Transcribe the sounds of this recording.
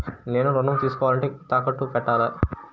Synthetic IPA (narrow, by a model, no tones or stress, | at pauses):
neːnuɾɔɳɖɐmt̪iːsukɔːʋaːlɐɳʈeːt̪aːkɐʈːupɛʈːaːɾɐ